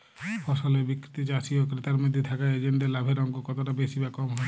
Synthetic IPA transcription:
pʰɔsɔlebikɾit̪it͡ʃasiokɾit̪aɾmid̪ʱːit̪ʰakaed͡ʒend̪elabʱeɾɔŋɡokɔt̪ʰoʈabesibakɔmɦɔ

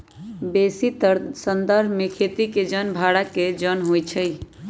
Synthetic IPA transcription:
besit̪sənd̪əɾbmekʰet̪iked͡ʒənbʱaɽaked͡ʒənɦojt͡ʃʰəj

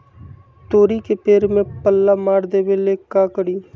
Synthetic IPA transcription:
t̪oːɾikepeːɾmẽpəlːaːmaːɽd̪eːʋeːleːkaːkəɽiː

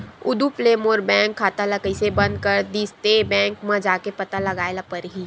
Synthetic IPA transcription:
ʊ̰d̪upleːmoːɾbɛ̃ːŋkʰːaːt̪alakəisebɐ̃nd̪̚kəɾd̪iːst̪ebɛ̃ːŋkmãd͡ʒaːkepɐt̪alɐɡaːelapɐɾɦiː

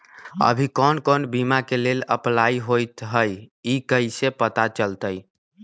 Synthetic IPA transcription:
ə̰bʱikɔnkɔnbimakelelə̰plaiɦojt̪ɦəjikəjsepət̪at͡ʃəlt̪əj

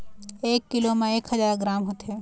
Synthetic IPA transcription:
eːkːɪlomẽeːkhəzaːɾɡɾaːmɦot̪e

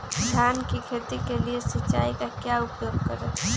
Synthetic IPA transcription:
d̪ʰʱjjaːnkikʰet̪ikeliesət͡ʃːaːikakjaʊpjoːɡ̚kəɾe

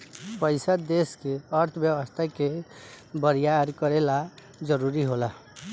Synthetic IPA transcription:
pəjsəd̪eskeəɾt̪ʰəbjəwəst̪ʰake | bəɾijaɾkəɾela | d͡ʒəɾuɾiɦola

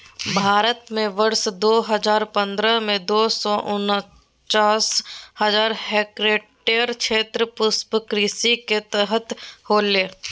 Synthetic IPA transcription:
bʱaːɾət̪mẽʋəɾʃd̪oːɦəzaːɾpə̃nd̪ɾəmẽd̪oːsɔʔʊn | t͡ʃaːshəzaːɾheːkɾeːʈeəɾkʃeːt̪ɾəpʊspəkɾisiket̪əɦət̪hoːleː

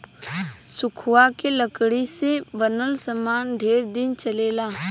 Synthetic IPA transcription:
sʊkʰʊwakeləkɽisebənəlsəmaːnɖʱeːɾd̪ɪnt͡ʃɐleːlaː

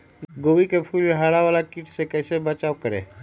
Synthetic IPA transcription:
ɡoʋikepʰuːliɦaɽaʋalakiʈsekəsebət͡ʃaʋkəɾḛ

